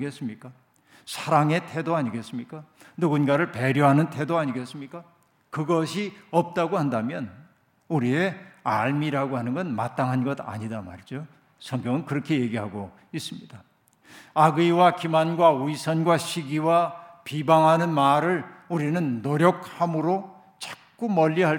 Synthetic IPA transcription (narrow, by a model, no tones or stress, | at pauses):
ɡes͈ɯmɲik͈a | sʰaɾaŋe̞tʰe̞doaɲiɡe̞s͈ɯmɲik͈a | nuɡunɡaɾɯɭpe̞ɾjoɦanɯntʰe̞doaɲiɡe̞s͈ɯmɲik͈a | kɯɡʌɕʰiʌp̚t͈aɡohandamjʌn | uɾieaɭmiɾaɡoɦanɯnɡʌnma̰t͈aŋɦanɡʌda̰ɲidama̰ɾid͡ʑo | sʰʌŋɡjʌŋɯnkɯɾʌkʰe̞je̞ɡiɦaɡo | is͈ɯmɲid̥a | aɡɯiwakimanɡwauisʰʌnɡwaɕʰiɡiwapibaŋɦanɯnmaɾɯɭuɾinɯnːoɾjʌk̚hamɯɾo | t͡ɕak̚k͈umʌʎːiɦa